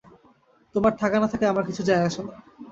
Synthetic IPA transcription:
t̪omaɾʈ̪ʰakanat̪ʰakeamaɾkit͡ɕʰud͡ʑaeaʃon

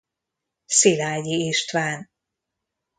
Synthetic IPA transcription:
silaːɟiiʃt̪vaːn

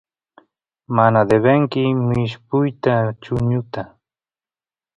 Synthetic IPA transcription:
manad̪eβeŋkɪmɪʃpʊjt̪at͡ʃʊɲʊt̪a

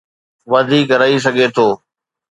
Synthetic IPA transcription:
ʋɐd̪ʱiːkɾaːis̬əɡʱet̪ʰoː

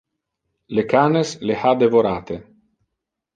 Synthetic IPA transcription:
lekaːneslehad̪evoɾaːt̪e

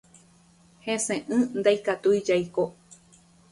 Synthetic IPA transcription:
hẽsẽʔɨ̃nd̪ajkat̪ujd͡ʒajko

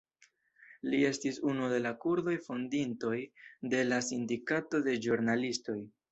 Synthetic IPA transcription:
lie̞stisunude̞lakuɾdo̞jfondinto̞jde̞lasindikato̞de̞d͡ʒuɾnalisto̞j

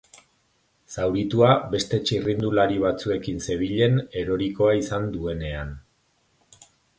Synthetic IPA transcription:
sawɾit̪uabe̞st̪e̞t͡ʃirind̪ulaɾiβ̞at͡sue̞kinse̞β̞iʎe̞ne̞ɾo̞ɾiko̞aisand̪ue̞ne̞an

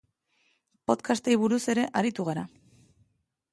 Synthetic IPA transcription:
po̞t̪kʰast̪ejβuɾuse̞ɾe̞ʔaɾit̪uɣ̞aɾa

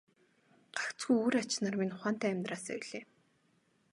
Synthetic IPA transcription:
ɢ̥akt͡sɡujuɾat͡ɕnaːrminʊ̥χaːn̥t̪æːæmʲt̪raːsœ̰jɮ̥eː

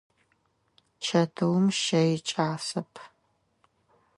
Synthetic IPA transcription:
t͡ʃʰɐtʰɨwmʃɐjɪt͡ʃʼaːsɐpʰ

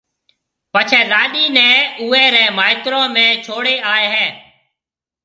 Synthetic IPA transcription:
pət͡ʃʰɛ̃ːlaːɗiːnɛ̃ːuːɛːɾɛ̃ːmaːɪt̪ɾõːmẽːt͡ʃʰoːɽeːaːeːɦɛː

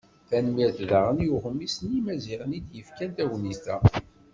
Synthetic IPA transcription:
θænmiɾθðaʁənjuχəmːisənimæziʁənid̪jəfkænt̪æwnist̪æ

